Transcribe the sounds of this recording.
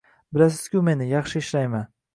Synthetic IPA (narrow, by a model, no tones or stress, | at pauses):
bɪlas̬ɪz̥kʲʊme̞nɪjɑχʃɪɪʃlajman